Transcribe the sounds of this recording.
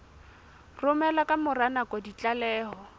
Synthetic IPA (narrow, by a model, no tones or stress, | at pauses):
rʊmɛlakʼamʊranakʼɔdit͡ɬʼalɛːhɔ